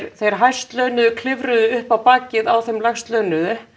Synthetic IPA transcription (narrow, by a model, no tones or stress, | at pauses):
ɾθejɾ̥ɦaj̥st̪lœːɥnʏðʏkʰlɪvɾʏðʏʏhpawpaːcɪðawθɛjmlajxst̪lœːɥnʏðʏ